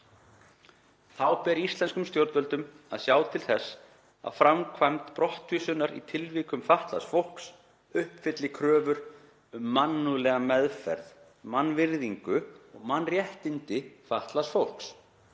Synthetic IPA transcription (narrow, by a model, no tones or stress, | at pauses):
θawpɛɾiist̪lɛnskʏmst̪jowɾt̪œlt̪ʏm | a̰ðsjaːwt̪ʰɪlθɛsː | a̰ðfɾamkʰvajmt̪pɾɔht̪ʰːyːsʏnaɾḭt̪ʰɪlviːkʏmfaht̪la̰sfowl̥ks | ʏhpfɪt̪lɪkʰɾœːvʏɾ̥ | ʏmːanːulɛːɣamɛðfɛ̰ɾð | manːvɪɾðiŋkʏɔɣmanrjɛht̪ɪnt̪ɪfaht̪lasfowl̥ks